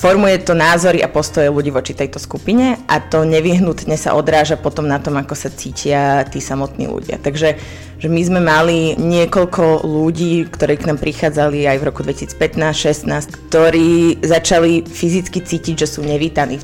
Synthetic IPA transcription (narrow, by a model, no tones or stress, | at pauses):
fɔɾmujɛt̪ɔnaːzɔɾiʔapɔst̪ɔjɛluɟiːʋɔt͡ʃit̪ɛjt̪ɔskupiɲɛʔat̪ɔɲɛʋiɦnut̪ɲɛsa̰ʔɔd̪ɾaːʒapɔt̪ɔmnat̪ɔmakɔsat͡siːcʰɪat̪iːsamɔt̪nḭːlṵɟɪa̰t̪aɡʒɛ | ʒɛmizmɛmaliɲɪɛkɔʎkʰɔluɟiːkt̪ɔɾɛːknaːmpɾixaːd͡zaliajvɾɔkud̪ʋɛci̥si̥ːt͡spɛt̪naːsʃɛsnaːsckt̪ɔɾiːzat͡ʃalifizit͡skit͡siːciɟʒɛsuːɲɛʋiːt̪aniː